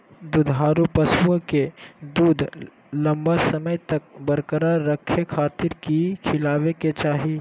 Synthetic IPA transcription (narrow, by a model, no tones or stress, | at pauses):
d̪ud̪ʱɦaːɾupəsuə̃ked̪uːd̪ʱ | lɐ̃mbasəməjt̪ɐk̚bəɾkəɾaɾəkʰːekʰaːt̪ɪɾkikʰɪlaːʋeket͡ʃaːɦi